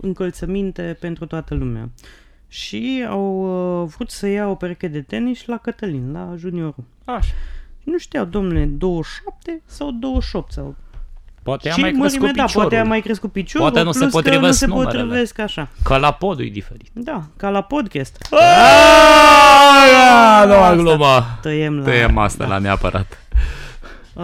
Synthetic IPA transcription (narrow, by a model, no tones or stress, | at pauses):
ɨŋkəlt̪səmint̪e̞pe̞nt̪ɾut̪oat̪əlumea̰ | ʃiawvɾut̪səjaopeɾeked̪e̞t̪e̞niʃʲlakət̪əlinlaʒunio̞ɾu | aʃanuʃt̪ijawd̪o̞mnule̞d̪o̞wəʃap̚t̪e̞sawd̪o̞wəʃo̞p̚t̪sawpoat̪ejamiajkmɾekuepid̪apwaɾejamajkɾeskupit͡ʃowaɾenusleuspot̪ɾiveusenpot̪ɾiveskaʃakalapo̞d̪ṵjd̪ifeɾi̥t̪d̪akalapo̞d̪kʲest̪ə | janoaɡlomat̪əjemlaəjema̰st̪a̰la̰nea̰pə̰ɾa̰t̪